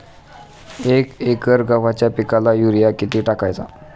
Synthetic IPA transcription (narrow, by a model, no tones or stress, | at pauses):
ekekəɾɡaʋat͡ɕjapikalajuɾijakit̪iːʈakajt͡sa̰